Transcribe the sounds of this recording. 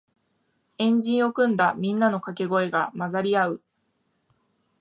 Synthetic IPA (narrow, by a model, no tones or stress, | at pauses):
ẽ̞ɲd͡ʑĩɰ̃o̞kɯ̟̃nd̪amʲĩnːano̞kake̞ɡo̞e̞ɡamazaɾʲiaɯ̟